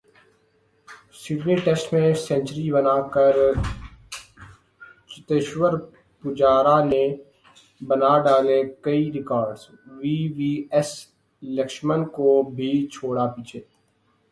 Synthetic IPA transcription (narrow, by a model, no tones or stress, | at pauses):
sɪɖniʈɛsʈmẽsɛ̃nt͡ʃɾibɐnaːkəɾ | t͡ʃɪt̪eːʃwəɾ | pʊd͡ʒaːɾane | bɐnaɖaːlekɐiɾɪkɔːɾɖz | ʋiːʋiːɛs | ləkʃmənkobʱit͡ʃʰoːɽapiːt͡ʃʰeː